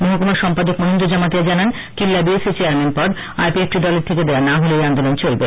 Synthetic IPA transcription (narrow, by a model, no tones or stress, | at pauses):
moɦokomaɾʃɔmpad̪okmonind̪ɾod͡ʑamat̪ijad͡ʑanan | kilːabieset͡ɕeaɾmenpɔɾ | a̰jpiek̚ʈid̪ɔleɾt̪ʰeked̪ewanaɦolejand̪olont͡ɕolbe